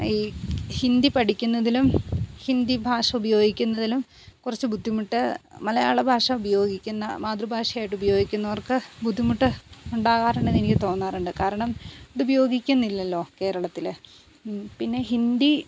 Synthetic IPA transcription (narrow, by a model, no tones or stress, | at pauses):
iːhind̪ipɐɽikʲːunːɐðilumhind̪ibʱaːʂɐubɐjo̞ːɡikʲːunːɐðilum | kurɐt͡ɕːɨbʱud̪ʱːimuʈːɨmɐlɐja̰ːɭɐbʱaːʂɐubɐjo̞ːɡikʲːunːɐ̰maːd̪rubʱaːʂɐjaːjʈːubɐjo̞ːɡikʲːunːɐʋɐrkɨbʱud̪ʱːimuʈːɨuɳɖaːɣaːruɳɖɨnenikʲːɨt̪o̞ːnːaːruɳɖɨkaːɾɐɳɐmɐðubɐjo̞ːɡikʲːunːilːɐlːo̞ːke̞ːɾɐɭɐt̪ːil | pinːe̞ɦind̪i